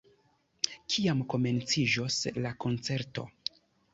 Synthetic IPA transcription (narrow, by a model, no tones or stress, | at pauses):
kʰiamko̞me̞nt͡sid͡ʒoslako̞nt͡se̞ɾto̞̰